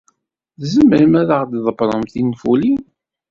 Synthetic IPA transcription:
ðzəməɾəmæɾəʁd̪ðˤəbɾˤəmθinfulin

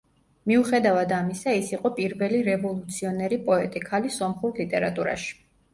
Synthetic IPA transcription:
miuχɛd̪avad̪amisaisiqʼɔpʼiɾvɛliɾɛvɔlˠut̪sʰiɔnɛɾipʼɔɛt̪ʼikʰalisɔmχuɾlit̪ʼɛɾat̪ʼuɾa̰ʃi̥

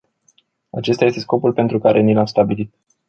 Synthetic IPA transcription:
at͡ʃe̞st̪ajest̪e̞sko̞pulpe̞nt̪ɾukaɾʔenilamst̪abilit̪̚

